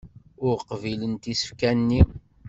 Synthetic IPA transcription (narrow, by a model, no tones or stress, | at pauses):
ʊɾqvilənt̪isə̥fkænːi